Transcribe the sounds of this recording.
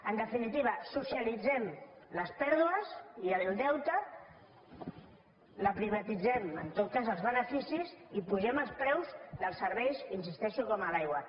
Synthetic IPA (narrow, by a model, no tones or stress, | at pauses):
ənd̪əfinit̪iβ̞əsusialid͡zɛmləspɛɾðuəziəlˠd̪ɛwt̪ə | ləpɾiβ̞at̪id͡zɛmənt̪ot̪̚kazəlˠzβənəfisizipuʒɛməlˠspɾɛwzðəlˠsəɾβɛjsinsist̪ɛʃukɔməlajɣwə